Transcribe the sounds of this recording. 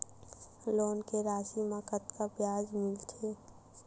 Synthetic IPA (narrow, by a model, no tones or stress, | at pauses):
loːnkeɾaːʃiməkət̪kapjaːd͡ʒmɪlt̪ʰeː